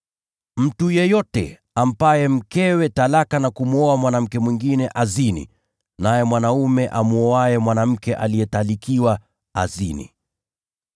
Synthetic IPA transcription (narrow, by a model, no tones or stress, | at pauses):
m̩tujɛjɔtɛ | am̩pajɛm̩kɛwɛtalakanakumuɔamwanam̩kɛmwiŋɡinɛʔazinḭ | najɛmwanaumɛʔamuɔajɛmwanam̩kɛʔalijɛtalikiwa | azinḭ